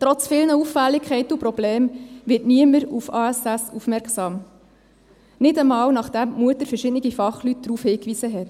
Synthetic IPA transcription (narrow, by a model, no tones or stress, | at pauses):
tɾɔt͡sfɪlnəuffælːikʰχɛɪtəupɾɔbleːmʋɪtniəməɾufɑːæsæsufmɛɾksɑːm | nɪdəmɑːwnɑχd̥æmmuətəɾfɛɾʃɪdniɡifɑχlyt̚d̥ɾuːfhɪːkʋisəɦɛt